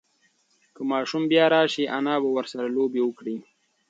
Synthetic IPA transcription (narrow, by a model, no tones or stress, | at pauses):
kəmɑːʃumbjɑːɾɑːʃiʔanɑːbawaɾsaɾaloːbewəkɽi